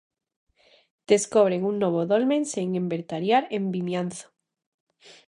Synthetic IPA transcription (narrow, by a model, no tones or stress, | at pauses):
d̪̥eskoβ̞ɾeŋuŋnoβ̞oðolmẽnseŋembeɾt̪aɾjaɾembinjanθo̥